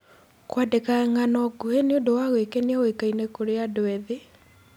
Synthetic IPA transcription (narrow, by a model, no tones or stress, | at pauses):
kwadekaŋanɔɡuheneondowaɣwekeneawekainekoɾeadwɛðe